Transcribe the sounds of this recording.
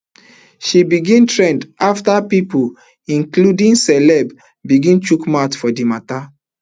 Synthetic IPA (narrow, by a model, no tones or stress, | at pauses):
ʃibiɡĩntʰɹɛ̃ndaftapipu | ĩŋkludĩŋsɛlɛb | biɡĩnt͡ʃukmatfɔdimata